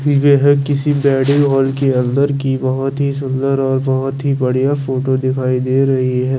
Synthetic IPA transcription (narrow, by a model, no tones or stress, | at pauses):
beːɦəɡkɪsibɛːɽĩɦɔːlkeɐ̃nd̪əɾkibɐɦɔt̪ɦis̬ʊ̃nd̪əɾɔːɾbɐɦɔt̪ɦibɐɽijafoːʈod̪ɪkʰaːid̪eːɾɐɦiɦɛː